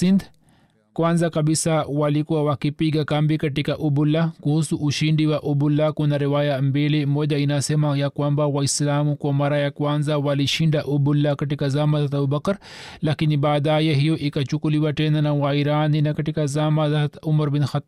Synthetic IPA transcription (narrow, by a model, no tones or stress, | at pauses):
sind̪ | kwanzakɐbisawalikuwawakipiɡakɐmbikɐʈikaʔubulːakuhusuʔːʃiɳɖiwaʔubulːakunaɾiwajambilimɔːd͡ʒainasɛmajakwambawaislaːmukwamaɾajakwanzawaliʃiɳɖaʔubulːakɐʈikazamad̪at̪ɐbubɐkɐɾ | lakinibaːd̪ajɛɦijoʔikat͡ʃukuliwaʈɛnanawaiɾaːninakɐʈikazamad̪at̪umɐɾbinxɐt̪ː